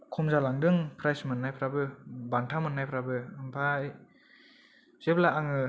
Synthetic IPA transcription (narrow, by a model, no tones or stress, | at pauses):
kʰɔmzalaŋdɯŋpʰɾajsmɯnːajpʰɾabɯbantʰamɯnːajpʰɾabɯɯmpʰaj | z̥eplaʔːŋɯ